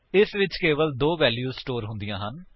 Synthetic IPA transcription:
ɪsʋɪt͡ʃkeːʋəld̪oːʋɛːljuːsʈoːɾɦʊnd̪ijãːɦən

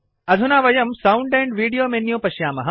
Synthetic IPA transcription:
ɐd̪ʱunaːʋɐjɐmsɐwɳɖẽːɳɖʋiːɽijoːmenjoːpɐʃjaːmɐɦɐ

